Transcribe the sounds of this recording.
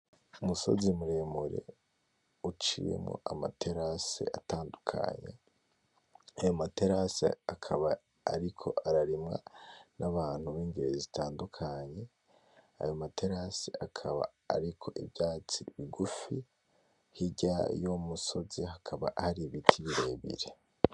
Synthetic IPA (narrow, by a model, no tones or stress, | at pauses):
umuso̞̰zimuɾe̞muɾe̞̰ | ut͡ʃije̞̰mo̰ʔama̰tʰe̞ɾasḛataːndukʰa̰ɲḛ | ajomate̞ɾasḛakʰaβaː | ɾikʰo̞ʔaɾaɾimŋa̰nʔaβaːn̥huβiːŋɡiɾezitaːndukʰaɲe̞ | a̰jo̞matʰe̞ɾaseʔakʰaβa̰ːɾikʰo̞ʔibjaːt͡siβiɡufi | hiɟajomuso̞zihakʰaβaʔhaɾiβitʰiβiɾe̞βḭɾe̞